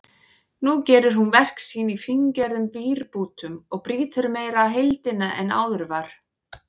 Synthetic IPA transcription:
nucɛːɾʏɾ̥hunvɛr̥ksiːnifiɲcɛɾðʏmviːɾpuːt̪ʏmɔɣpɾiːt̪ʏɾmeːjɾaːɦejlt̪ɪnaʔɛna̰ːwðʏɾvaɾ̥

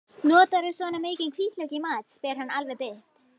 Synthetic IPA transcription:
nɔːt̪aɾʏsɔːnameːjcɪnkʰviːt̪lœcɪmaːt̪spɛɾ̥hanːalvɛɾpɪht̪

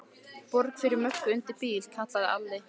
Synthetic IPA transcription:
pɔɾkfɪɾɪɾmœhkʏʏnt̪ɪɾpiːlkʰat̪aðɪa̰lːɪ

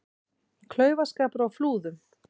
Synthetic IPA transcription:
kʰlœːɥvaskaːpɾawfluːðʏm

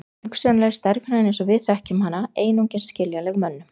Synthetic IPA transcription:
hʏksɛnlɛɣst̪ɛɾkvɪnanẽjnsɔvɪðθɛhcɪmhanːaeːjnowɲcɪnsscɪljalɛɣmœnːʏ

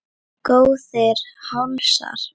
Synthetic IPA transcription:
koːwðɪɾhansa̰ɾ̥

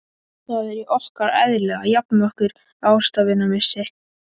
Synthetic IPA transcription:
θaðɛɾiʔɔhkaɾɛ̰ðlɛɣajapnaɔhkʏɾ | aːwst̪avɪnːamɪsːɪ̥

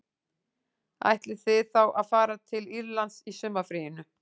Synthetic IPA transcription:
a̰jht̪lɪθɪðθawʔaðfaːɾat̪ʰɪliɾlant̪sisʏmːafɾiːjɪnʏ

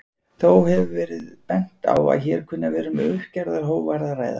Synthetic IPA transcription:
θowhɛvʏvɛːɾɪðpɛn̥t̪a̰wa̰ðçɛːɾ̥kʰʏnːavɛːɾʏmʏhcaɾðaɾɦoːwvaɾðaɾraːjða̰

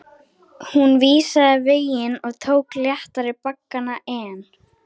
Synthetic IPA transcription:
hunviːsaðɪveːjɪnɔɣt̪ʰoːwkljaht̪aɾɪpakːanaʔɛːn

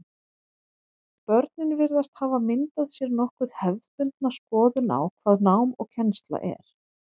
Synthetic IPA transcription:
pœɾt̪̚nɪnvɪɾðast̪haːvamɪnt̪aðsjɛɾnɔhkʏð̥hɛvðpʏnt̪̚naskɔːðʏna̰wkʰv̥aːðnawmɔ̰ɣcʰɛnst̪la̰ʔɛ̰ɾ̥

